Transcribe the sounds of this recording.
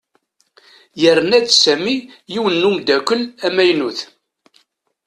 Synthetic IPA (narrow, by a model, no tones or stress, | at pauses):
jərnædsæmijiwənːumd̪ækʷəlæmæjnuθ